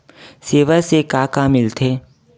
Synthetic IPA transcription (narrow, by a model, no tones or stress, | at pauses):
seːʋəsekaːkaːmɪlt̪ʰeː